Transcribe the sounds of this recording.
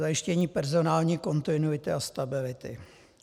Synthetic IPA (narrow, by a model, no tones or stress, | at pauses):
ajɪʃcɛɲiːpɛɾzo̞naːlɲiːko̞nt̪ɪnuɪt̪ɪast̪abɪlɪt̪ɪ̰